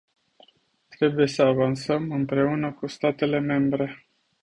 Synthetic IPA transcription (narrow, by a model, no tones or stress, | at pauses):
t̪ɾe̞buje̞səavansəmɨmpɾe̞unəkust̪at̪e̞le̞me̞mbɾe̞